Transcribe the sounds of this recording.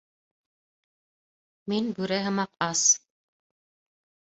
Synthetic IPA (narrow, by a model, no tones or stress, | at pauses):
minbʉɾæɦɤ̆mɑqɑs